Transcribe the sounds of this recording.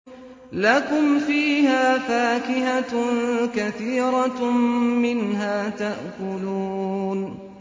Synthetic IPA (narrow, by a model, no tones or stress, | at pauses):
lakʊmfiːhaːfaːkɪɦa | kaθiːɾˤɑ | mɪnɦaːt̪aʔkʊluːn